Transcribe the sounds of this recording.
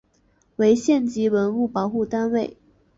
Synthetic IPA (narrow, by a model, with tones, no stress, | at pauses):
we˧˥ɪɕjɛ˥˩nt͡ɕi˧˥wə˧˥nu˥˩pɑ˨˥ʊxu˥˩t̪a˥nwe˥˩ɪ